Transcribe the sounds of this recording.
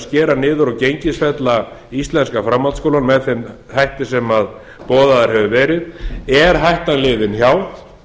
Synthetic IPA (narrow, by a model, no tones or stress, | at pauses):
scɛːɾanɪːðʏɾawcejɲcɪsfɛt̪laist̪lɛnskafɾamːalskowlanmɛðθɛm | hajht̪ɪsɛmað | pɔːðaðaɾ̥hɛvʏvɛːɾɪðɛɾ̥ɦajht̪anlɪːðɪnçjaːwð